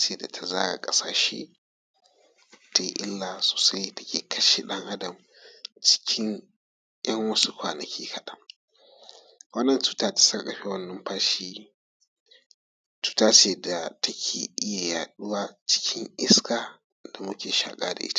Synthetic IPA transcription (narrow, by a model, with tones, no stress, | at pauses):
t͡ʃeː˦da˨tʰa˨zaː˦ɽa̰˨kʼɐ˦saː˨ʃḛː˦ | ta˨˦jʔɪ˦lːa˨so̥ː˨sa˦jtɐ̥˦kʲeː˨kʰɐ˦ʃe˨ɗɐ˦ŋʔa˦dɐ˨m | t͡ʃɪ̥˦kʲʰɪ˦ŋ | ʔjɐ˦ŋwɐ˦su˦kʷaː˨nɐ˨kʲʰiː˦kʰɐ˨ɗɐ˦ŋ | wɐ˦nːɐ˨ntu̥ː˦taː˦tḁ˨sɐ˦kʼɐ˨ɸe˦wɐ˦nːɐ˦mɸaː˦ʃiː˦ | t͡ʃu̥˦taː˦t͡ʃeː˦da˨tʰɐ˦kʲʰeː˨ʔɪ˦ja˨jaː˨ɗʊ˦waː˦t͡ʃɪ̥˦kʲʰɪ˦ŋʔɪ˦skaː˨ | da˨mʊ˦kʲeː˨ʃa̰ː˨kʼaː˦da̰˨ʔɪ˦tḁ˨